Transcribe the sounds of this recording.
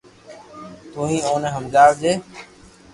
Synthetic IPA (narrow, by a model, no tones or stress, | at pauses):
t̪uːɦĩːõːnẽːɦəmɡaːʋd͡ʒeː